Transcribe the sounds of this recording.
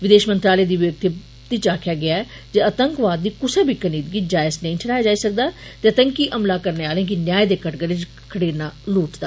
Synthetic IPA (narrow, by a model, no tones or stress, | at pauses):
ʋɪd̪eːʃmənt̪ɾaːleːd̪iːʋək̚t̪i | t̪iːt͡ʃaːkʰjaːɡɪaːɛː | d͡ʒeət̪əŋkʋaːd̪ːiːkʊseːbʱiːkəniːd̪ɡiːd͡ʒaːɪznə̃ĩːʈʰəɽaːjaːd͡ʒaːiːsək̚d̪aːt̪eːət̪əŋkiːʔəmlaːkəɾneːaːlẽːkinjaːed̪eːkəʈɡəɾɪd͡ʒ | kʰəɽeːnaːluːʈd̪aː